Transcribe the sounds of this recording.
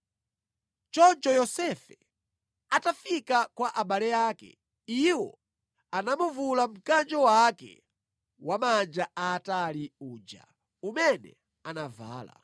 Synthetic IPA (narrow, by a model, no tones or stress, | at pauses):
t͡ʃɔnt͡ʃɔjɔsɛfɛ | atafikakwaʔaɓalɛjaːkɛ̰ | iwɔ̰ | anamuvulam̩kand͡ʒɔwakɛ̰ | wamand͡ʒaaːtaliuːd͡ʒa̰ | umɛnɛ̰ | anava̰ːla̰